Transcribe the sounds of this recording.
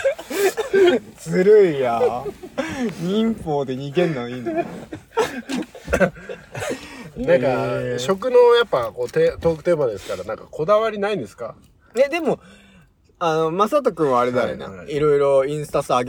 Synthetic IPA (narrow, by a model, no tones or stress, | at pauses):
t͡sɨɾɯija | ɲĩmpoːd̪e̞ɲ̟iɡẽ̞nːãĩːnd̪e | nãŋkaɕo̞k̬ɯ̟no̞japːako̞ːt̪et̪oːkɯ̟t̪e̞ːbad̪esɨ̥kaɾanãŋkakʰo̞d̪aβaɾʲinaĩnd̪e̞sɨ̥ka | ed̪e̞mo̞ | ano̞masat̪̬okɯ̃ɰ̃βaːɾed̪aɾḛnã̰iɾo̞iɾo̞ĩɰ̃sɨ̥t̪asaɡ